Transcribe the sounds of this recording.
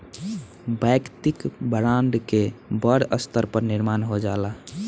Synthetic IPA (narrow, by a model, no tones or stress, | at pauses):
bəjkt̪ikbəɾanɖkebəɽəst̪ʰəɾpəɾniɾmanɦod͡ʒala